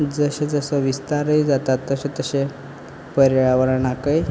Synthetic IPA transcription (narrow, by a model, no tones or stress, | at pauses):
d͡zəɕẽd͡zəsəʋist̪aɾəid͡zat̪at̪ːəɕet̪əɕe | pəɾəɭaʋəɾəɳakəj